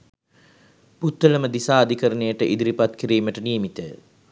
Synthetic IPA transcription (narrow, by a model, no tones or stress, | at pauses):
put̪ːələməd̪isaːd̪ikəɾənejəʈəʔid̪iɾipat̪kiɾiːməʈəniəmit̪ə̰